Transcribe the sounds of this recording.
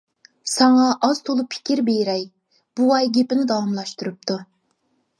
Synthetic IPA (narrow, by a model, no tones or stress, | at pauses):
sɑŋɑʔɑz̥t̪ʰolˠupʰɪ̥kʲiɾbejɾɛj | b̥uɑjɡʲepɪnɪd̪ɑwɑmlˠɑʃt̪uɾup̚t̪ʰu